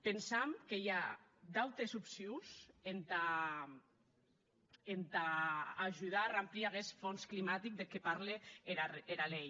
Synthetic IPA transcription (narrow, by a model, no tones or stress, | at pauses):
pensamkejad̪awt̪esupsiusent̪a | end̪aːʒuð̞arampliaɣesfonsklimat̪ik̚d̪ekepaɾleeɾaeɾalej